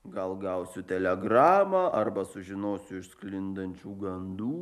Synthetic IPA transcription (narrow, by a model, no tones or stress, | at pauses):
ɡɐlˠɡɐʊsʲʊt̪ʲɛlʲɛɡɾɑːmɑːʔɐɾbɐsʊʒʲɪnoːsʲʊɪʃsklʲɪnd̪ɐnʲt͡ʃʲuːɡɐnd̪uː